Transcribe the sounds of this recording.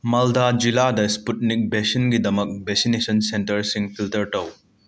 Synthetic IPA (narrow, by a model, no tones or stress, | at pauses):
mɐldad͡ʒiladɐsput̚nik̚besɐnɡidɐmɐk̚besinesɐnsentɐɾsiŋpʰiltɐɾtɐw